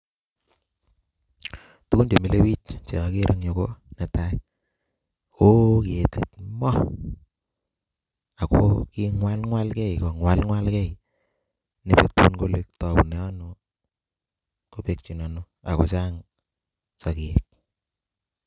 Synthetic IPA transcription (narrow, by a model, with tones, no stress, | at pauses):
tu˦ku˦nd͡ʒe˨mi˦le˦wi˦t͡ʃt͡ʃe˨˦ke˦ɾʔə˦ŋɲo˨ko˦nɛ˨ta˦i | o˦ki˨e˨te˨tmɔ˦ | a˨koki˦ŋwa˦lŋwa˦lkɛ˦i˨ko˨ŋwa˦lŋwa˦lkɛ˦i˨ | ne˨pe˨tu˦u˦nko˦le˦k̚tɔ˨bu˨nɛ˨ɔ˦no˨ | ko˦pe˨k̚t͡ʃi˨nɔ˨no˦ | a̰˨ko˦t͡ʃa˦ŋ | sa˨ki˨e˨k̚